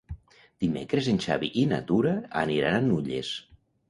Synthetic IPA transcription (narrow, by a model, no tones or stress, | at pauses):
d̪̥imḛkɾezenʲʃa̰βiʔina̰t̪uɾa̰ːniɾananːuʎḛs